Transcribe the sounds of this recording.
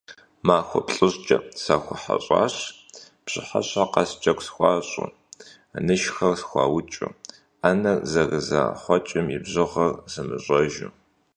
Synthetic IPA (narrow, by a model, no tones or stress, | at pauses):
maːxʷɔpɬʼɨɕt͡ʃʼɐsaːxʷʊħa̰ɕʼɑ̰ːɕ | pɕɪħaɕaqɑst͡ʃʼɐkʷsxʷɑːɕʼʊ̰ | nɨʃxɐrsxʷɑːwʊt͡ʃʼʊ̰ | anɐrzɐɣɨza̰ːħʷɔt͡ʃʼɪmjɪbʑɪʁɐrz̥ɨmɨɕʼɔʒɪ